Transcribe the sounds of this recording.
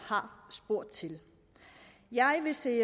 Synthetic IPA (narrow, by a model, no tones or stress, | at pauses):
hɑ̈sb̥o̝ɐ̰d̥̚t͡sʰe̝l | jɑ̈ɪʋe̝se̝ː